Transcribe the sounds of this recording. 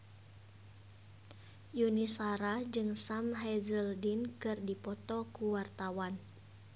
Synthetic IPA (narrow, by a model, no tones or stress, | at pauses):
junisaɾad͡ʒɨŋsamɦɛzəldinkɨrdipɔt̪ɔkuwart̪awan